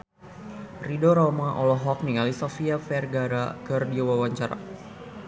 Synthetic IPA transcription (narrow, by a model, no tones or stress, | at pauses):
ridoɾomaʔɔlɔɦɔk̚niŋalisɔfiafɛrɡaɾakɨrdiawawaɲt͡ʃaɾa̰